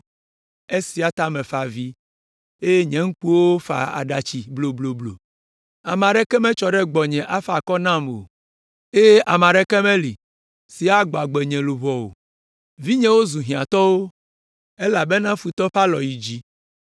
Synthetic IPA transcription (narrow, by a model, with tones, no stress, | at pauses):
e˦si˨a˨t̪a˦mɛ̃˨fa˨vi˦ | e˦je˦ɲɛ̃˨ŋ̩˦k͡pu˦wo˦fa̰˨a̰˨ɖa˨t͡ɕi˨blo˨blo˨blo̰˨ | a˨mã˨ɖɛ˦kɛ˦mɛ̃˦t͡ʃɔ˨ɖɛ˦ɡ͡bɔ˨ɲɛ̃˨ʔa˦fa˨kɔ˦nã˦˨mo̰˨ | e˦jʔa˨mã˨ɖɛ˦kɛ˦mɛ̃˦li˨ | si˨a˦ɡ͡bɔ˨a˨ɡ͡bɛ˨ɲɛ̃˨lu˨βɔ˨wo̰˨ | vi˦ɲɛ̃˦wo˦zu˨ɦĩ˨ã˨t̪ɔ˦wo˦ | e˦la˨be˦nã˦fu˨t̪ɔ˦ɸa˦lɔ˨ji˨d͡ʑi˦